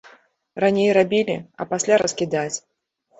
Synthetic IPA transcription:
ranʲejrabʲilʲiɐ̰pasʲlʲaɾɐskʲid̪at͡sʲ

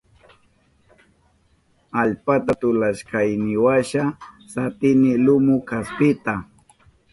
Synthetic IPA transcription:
aʎpat̪at̪ʊlaʃkajnɪwaʃa | sat̪ɪnɪlʊmʊkaspɪt̪a

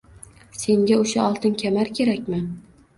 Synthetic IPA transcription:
se̞ŋɡʲaoʃaɒlˠt̪ʰɪnkʲʰamaɾkʲʰe̞ɾakʲmɪ

